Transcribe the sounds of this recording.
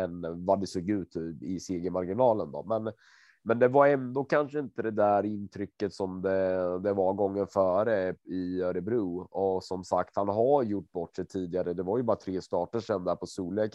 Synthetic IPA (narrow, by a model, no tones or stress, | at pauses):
ɛnvad̪ɛsoːɡʉ̟ːt̪ʰːɪseːɡəmaɾɡɪnɑːlənd̪ɔ̰mɛn | mɛnd̪ɛvaɾɛnd̪oːkʰanʂəɪnt̪əd̪ɛd̪æɾɪnt̪ʰɾʏkːət̪sɔmd̪ɛd̪ɛvaɡɔŋːənfœːɾəɪœɾəbɾʉːɔsɔmsakt̪hanɦaɾjʊʈːbɔʈːʂɛt̪ʰiːd̪ɪɡaɾəd̪ɛvaɾjɵbɑːɾat̪ʰɾeːst̪ɑːʈəʂɛnd̪æːɾpʰɔsuːleːk